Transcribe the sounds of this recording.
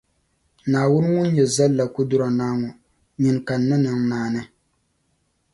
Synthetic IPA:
naː˨wʊ˦n˦ŋʊ˦n˦ɲɛ˨za˦lːa˨ku˦dʊ˦ɾɔ˨naː˦ŋɔ˨ | ɲɪ˨nka˨nː˦ɨ˦nɨ˨ŋnaː˦˨nɨ˦

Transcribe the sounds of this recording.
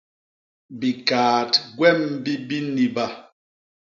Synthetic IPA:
bi˨kaː˨tɡwɛ˦˨mbi˦bi˦ni˨ba˦

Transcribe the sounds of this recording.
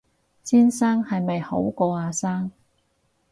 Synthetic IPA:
siː˥nsaː˥ŋhɐ˨jmɐ˨jho˨˥wkɔː˧aː˨˧saː˥ŋ

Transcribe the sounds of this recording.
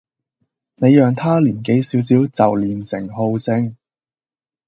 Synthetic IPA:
ne˨˧jjœː˨ŋt̪ʰaː˥liː˨˩nke˨˥jsiː˨˥ws̬iː˨˥wt͡sɐ˨wliː˨nsɪ̰˨˩ŋho˧wsɪ˧ŋ

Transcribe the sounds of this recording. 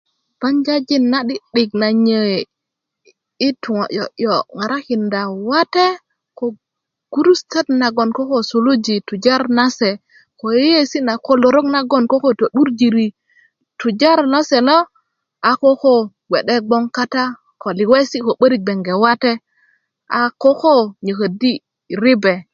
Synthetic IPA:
b̥a˦ɲd͡ʒa˦d͡ʒi˦nːa˦ɗi˦ɗi˨k̚na˨ɲe˨ | i˦tu˨ŋo˨ʔjo̰˨ʔjo˨ŋa˨ɾa˦ki˨nda˨wa˦te˦ | ko˨ | ɡ̥u˦ɾu˦ste˦tna˨ɡo˨nko˦ko˨su˨lu˦d͡ʒi˨tu˨d͡ʒa˦ɾna˦se˨ | ko˨ji˦je˦si˦na˨ko˨lo˨ɾo˦kna˨ɡo˦nko˦ko˦to˨ɗu˦ɾd͡ʒi˨ɾi˨ | tu˨d͡ʒa˦ɾna˦se˨lo˦ | a˨ko˦ko˦ | ɡʷwʷe˨ɗe˦ɡ͡bo˦ŋka˦ta˦ | ko˨li˨we˦si˦ko˨ɓə˦ɾi˦k̚ɡ͡be˨ŋɡe˨wa˦te˦ | a˨ko˦ko˦ɲə˨kə˨di˦ | ɾi˦be˨

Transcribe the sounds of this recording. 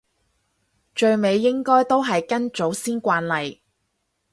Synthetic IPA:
t͡ʃɵ˧ɥme˨˧jːɪ˥ŋkɔː˥jt̪o˥wɦɐ˨jkɐ˥nt͡ʃo˨˥wsiː˥nkʷaː˧nlɐ˨j

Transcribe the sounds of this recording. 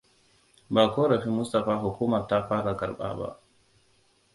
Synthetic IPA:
baː˨koː˦ɾɐ˨ɸi˦mʊ˦stɐ˨ɸaː˦ɦʊ˨kuː˦mɐ˨ɾta˦ɸaː˦ɾa˨kʼɐ˨ɾɓa̰ː˦ba̰˦ʔ

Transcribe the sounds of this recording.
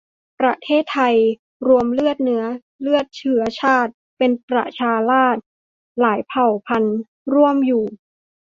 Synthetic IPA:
pɾa˧t̪ʰeː˥˩t̪ʰːa˧j | ɾu˧əmlɯ˥˩ət̪̚nɯ˩˦˥ɐ | lɯ˥˩ət̪̚t͡ɕʰɯ˩˥ɐt͡ɕʰaː˥˩t̪̚pe˧npɾa̰˨˩t͡ɕʰaː˧laː˥˩t̪̚ | laː˩˦jpʰa˨˩wpʰa˧n | ɾu˥˩əmjuː˨˩

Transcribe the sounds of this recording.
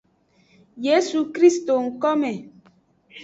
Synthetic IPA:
je˦su˨kɾi˦sto˨ŋ̩˨kɔ˦mɛ˨

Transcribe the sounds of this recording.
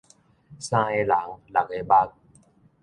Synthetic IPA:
sãː˧e˧la˨˩˦ŋla˨˩k̚e˧ba˦k̚

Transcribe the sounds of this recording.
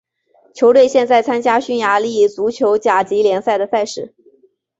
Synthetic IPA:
t͡ɕʰjo˧˥ʊt̪we˥˧ɪɕjɛ˥˧nt͡sa˥˩ɪt͡sʰa˥nt͡ɕja˥ɕy˥nja˧˥li˥˩˥t͡su˧˥t͡ɕʰjo˧˥ʊt͡ɕja˨˩t͡ɕi˧˥ljɛ˧˥nsa˥˩ɪd̪ə˩sa˥˧ɪʂɻ̩˥˩

